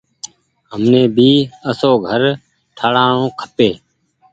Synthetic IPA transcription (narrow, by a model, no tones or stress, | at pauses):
ɦəmneːbʱiːəsoːɡʱəɾ | ʈʰəɽaːɳõːkʰə̥peː